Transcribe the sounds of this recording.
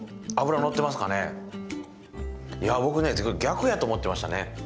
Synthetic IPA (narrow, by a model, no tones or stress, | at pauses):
abɯ̟ɾano̞t̪ːe̞masɨ̥kane̞̰ | jabo̞kɯ̟ne̞sɨɡo̞iɡʲakɯ̟jat̪oːmo̞t̪ːemaɕi̥t̪ane̞